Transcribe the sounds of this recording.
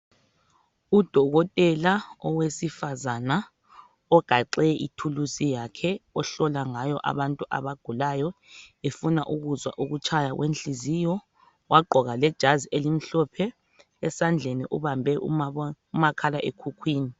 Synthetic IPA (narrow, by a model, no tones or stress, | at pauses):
ud̥ʱɔɣɔtʼɛlaɔwesifazana | ɔɡ̥ʱaǃɛʔitʰulusijakʰɛɔɬɔlaŋajɔʔa̰βantʼuʔa̰βaɡ̥ʱulajɔefuna̰ʔuɣuzwa̰ʔuɣut͡ʃʰajaɣwenɬiziːjɔ | waɡ͡ǃʱɔɣalɛd̥ʒ̥ʱaziʔelim̩ɬɔpʰɛ | ɛsand͡ɮʱenḭʔuβambʱɛʔ | umakʰalaʔḛkʰukʰwiːni